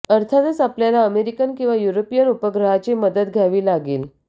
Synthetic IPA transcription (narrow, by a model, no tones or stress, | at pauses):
əɾt̪ʰat̪əsapljalaəmeɾikənkĩw̃ʋajuɾopijənupəɡɾəɦat͡ɕiməd̪əd̪ɡʱjaʋiːlaɡiːl